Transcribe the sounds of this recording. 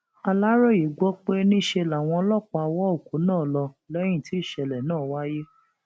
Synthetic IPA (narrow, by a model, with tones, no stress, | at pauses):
a˧la˦ɾɔ˦˨ji˨ɡ͡bɔ˦k͡pe˦nĩ˦˨ʃe˧la˨w̃ɔ̃˧ɔ˧˦lɔ˦˨k͡pa˧a˧wɔ˦o˦˨ko˨˦nãː˦˨lɔ˧ | lɛ˦j̃ĩ˦˨ti˨˦˨ʃɛ˨lɛ˨nãː˦˨wa˦je˦